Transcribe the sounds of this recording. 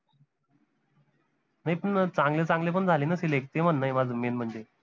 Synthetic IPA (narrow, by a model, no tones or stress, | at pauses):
najpəɳt͡sãŋɡlet͡sãŋɡlep̬əɳd͡zʱalenəselek̚t̪emənːajmad͡zmenm̤əɳd͡ʑe